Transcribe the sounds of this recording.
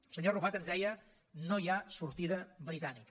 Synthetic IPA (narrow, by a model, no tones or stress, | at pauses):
səɲoruβat̪ənzðɛjə | nojasuɾt̪iðəβɾit̪anik